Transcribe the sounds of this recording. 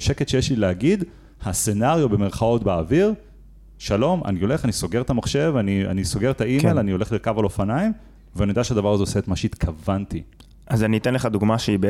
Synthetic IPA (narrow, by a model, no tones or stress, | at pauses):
ʃeket̪ʃejeʃlileaɡid̪ | hase̞naʁijobe̞meʁχao̞t̪beːviʁ | ʃalo̞mʔa̰nio̞le̞χaniso̞ɡe̞ʁt̪amaχʃe̞vania̰niso̞ɡe̞ʁt̪aʔimelanio̞le̞χlikavalo̞fanaim | veanijdaʃead̪avaʁazeose̞ːt̪maʃeit̪kʰavanti | azanitenleχad̪uɡmaʃeibe